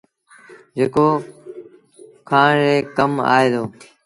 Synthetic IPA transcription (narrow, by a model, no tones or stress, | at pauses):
d͡ʒeːkoː | kʰãːɾeːkəma̰ːeːd̪oː